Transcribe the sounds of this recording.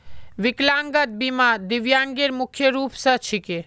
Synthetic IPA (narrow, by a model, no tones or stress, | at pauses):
ʋɪklaːŋɡət̪̚bimad̪iʋjãːŋɡeɾmʊkʰːjəɾuːpsɐt͡ʃʰike